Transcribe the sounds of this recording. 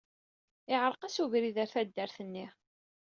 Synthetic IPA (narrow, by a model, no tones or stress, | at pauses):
ɪʁɾˤqæsuvɾiðæɾθæd̪ːəɾθənːi